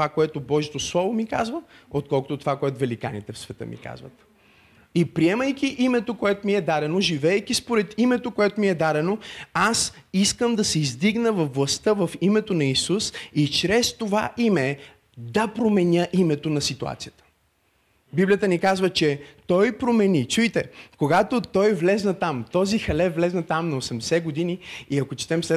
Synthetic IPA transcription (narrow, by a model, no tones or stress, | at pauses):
vakoɛt̪obɔʒit̪oslˠɔvomika̰zvəot̪̚kɔlˠkʊt̪ot̪ovakoɛt̪ʊvɛlika̰nḭt̪ɛfsvɛt̪ə̰mḭka̰zvə̰t̪ | ipɾiɛməjkʲiʔimɛt̪okoɛt̪omiɛd̪aɾɛnoʒivɛːjk̟ispoɾɛt̪imɛt̪okoɛt̪omiɛd̪aɾɛnoas | iskəmd̪ɐsɛizd̪iɡnəvɐfːlˠɐst̪əvɐfimɛt̪onɐisusit͡ʃɾɛst̪ova̰ʔimɛ | d̪ɐpɾomɛnʲəʔimɛt̪onɐsit̪ua̰t̪sijət̪ə̥ | biblijət̪ənikazvət͡ʃɛt̪ɔjpɾomɛnit͡ʃujt̪ɛkoɡat̪ot̪ɔjvlɛznɐt̪amt̪ɔzixɐlɛvlɛznɐt̪amnɐosɛmd̪ɛsɛɡod̪iniiɐkot͡ʃɛ̥t̪ɛmsɛ